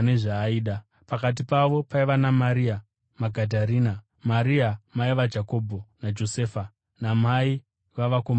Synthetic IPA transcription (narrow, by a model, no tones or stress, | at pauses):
neʐaːiːɗa | pakat̬ipaʋo̞paiʋanamaɾia | maɡʱadʱaɾiːna | maɾiamaiʋad͡ʒako̞bʱonad͡ʒo̞se̞ːfa | namai | ʋaʋakoma